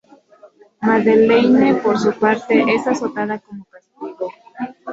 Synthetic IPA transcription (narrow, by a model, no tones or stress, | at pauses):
maðelejnepoɾs̬upaɾt̪eʔesasot̪aðakomopast̪iɣo